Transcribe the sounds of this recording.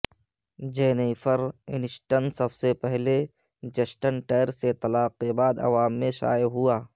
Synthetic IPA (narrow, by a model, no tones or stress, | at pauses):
d͡ʒeːneifʰəɾɪ̰nɪsʈənsəbsepɛɦle | d͡ʒəsʈənʈeːɾset̪ɐlaːqːebaːd̪ɐ̰ʋaːmːẽʃa̰ːjɦuaː